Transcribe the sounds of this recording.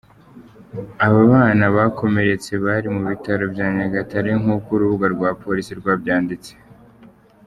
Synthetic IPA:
aβaβaːnaβakʰo̞me̞ɾe̞t͡se̞βaɾimuβitaɾo̞bjaːɲaɡataɾeŋuːkuɾuβuɡaɾɡwaːpʰo̞ɾisiɾɡwaːbjaːndit͡se̥

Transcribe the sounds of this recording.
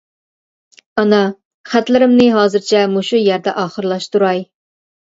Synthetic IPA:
ɑnɑ | χæt̪lɪɾɪmnɪɦɑːzɨɾt͡ʃʰɛmuʃujæɾd̪ɛʔɑːχəɾlˠɑʃt̪uɾɑj

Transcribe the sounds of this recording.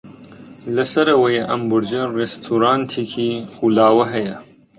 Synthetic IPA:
lɐsɐɾɐwɐjeʔɐmbʊɾd͡ʒɐrest̪ʰuːɾaːnt̪ʰikʰixuːlaːwɐɦɐjɐ

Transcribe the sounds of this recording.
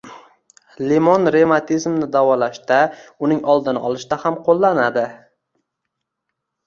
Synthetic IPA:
lemɒnɾe̞mat̪ʰizmnɪd̪avɒlaʃt̪aʊnɪŋɒlˠd̪ɪnɪʔɒlˠɪʃt̪ahamqʰolˠːanad̪ɪ

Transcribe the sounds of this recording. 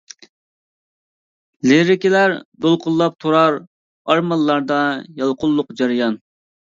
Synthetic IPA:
leɾɪkʲɪlæɾd̪olˠqʰʊlˠːɑp̚t̪ʰoɾɑɾ | ɑɾmɑlˠːɑɾd̪ɑjɑlˠqʰʊlˠːʊqd͡ʒɑɾjɑn

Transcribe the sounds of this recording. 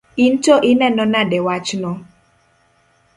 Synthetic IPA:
intoʔɪnɛnɔnaɗɛwat͡ʃnɔ

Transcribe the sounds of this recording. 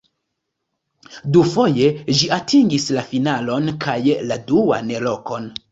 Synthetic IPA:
dufo̞je̞ʒiatʰiŋɡislafinalo̞nkʰajladua̰nelo̞ko̞n

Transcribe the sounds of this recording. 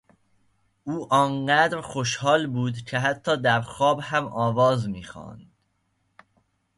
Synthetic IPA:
uːʔɒːnɢæːd̪ɾxoʃhɒːlbuːd̪cʰeɦæt̪ʰːɒːd̪æɾxɒːbhæmɒːvɒːzmiːxɒ̰ːnd̪̥

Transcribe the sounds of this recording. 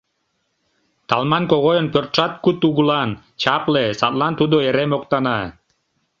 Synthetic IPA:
t̪ɑlˠmɑnkoʁojənpʲørt̪ʃɑt̪kut̪uɣulˠɑn | t͡ɕɑplesɑt̪lˠɑnt̪ud̪oeɾemoqt̪ɑnɑ

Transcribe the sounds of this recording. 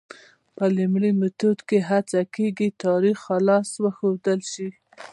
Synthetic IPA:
pəlimɽimet̪od̪keɦat͡sakeɡit̪ɑɾixalɑswəxod̪əlʃi

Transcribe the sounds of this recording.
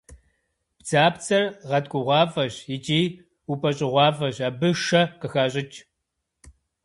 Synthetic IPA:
b̥d͡zaːpt͡sʰʼɐrʁɐtkʷʼʊʁʷɑːfɐɕjɪt͡ʃʼiː | upʰʼɐɕʼɪʁʷɑːfɐɕaːbɨʃɐqəxaːɕʼɪt͡ʃʼ

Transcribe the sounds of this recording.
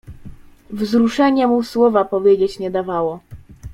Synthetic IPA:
vzɾuʂɛɲɛmuswɔvapɔvʲjed͡ʑet͡ɕɲɛd̪avawɔ

